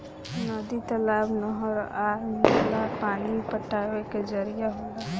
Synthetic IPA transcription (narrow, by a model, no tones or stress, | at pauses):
nɔd̪it̪əlaːbnɔɦəɾanelapaːnipəʈːaʋeked͡ʒəɾijaɦoɡa